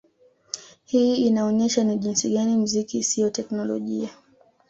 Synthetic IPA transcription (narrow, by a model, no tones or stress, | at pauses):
hiːinaɔɲɛʃaniʄinsiɠanim̩zikisiɔtɛknɔlɔ̰ʄia